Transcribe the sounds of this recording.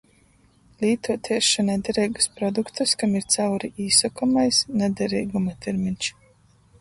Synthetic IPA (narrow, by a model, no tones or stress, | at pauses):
lʲiːt̪uɔt̪ʰiɛʃanɛd̪ɛɾɛːɡḁspɾɔd̪ukt̪ɐskamiɾt̪sawɾiʔiːsɔkɔmajsnɛd̪ɛɾiːɡumat̪ɛɾminʲt͡ʃ